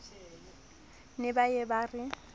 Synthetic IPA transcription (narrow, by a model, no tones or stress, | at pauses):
nɪbajɛbaːrɪ